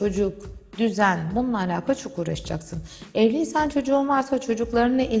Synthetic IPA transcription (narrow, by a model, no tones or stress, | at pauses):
o̞d͡ʒukd̪yzænbununːˠaːlʲaːkʰat͡ʃʰo̞kuːɾaʃɯd͡ʒa̰ksɯnɛvlʲiinsant͡ʃʰo̞d͡ʒuːnvaɾsat͡ʃʰo̞d͡ʒuklˠaɾnɯneʔi